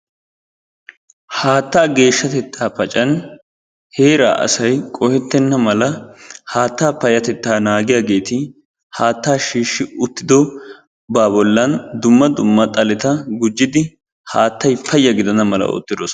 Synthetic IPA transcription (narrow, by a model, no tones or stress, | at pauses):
haːt̪ːaːɡe̞ːʃːɐt̪ɛt̪ʰːaːpɐt͡ʃʼɐn | he̞ːɾa̰ːʔɐ̰sɐjkʼɔhɛt̪ːɛnːɐmɐlɐhaːt̪ːaːpɐjɐt̪ɛt̪ːaːnaːɡɪjaːɡe̞ːt̪ɪ | haːt̪ːaːʃiːʃːɪʊt̪ːɪd̪ɔ | baːbɔlːɐnd̪ʊmːɐd̪ʊmːɐt̪ʼɐlɛt̪ɐɡʊd͡ʒːɪd̪ɪ | haːt̪ːɐjpʰɐjːɐɡɪd̪ɐnɐmɐlɐ̰o̰ːt̪ːɪd̪oːs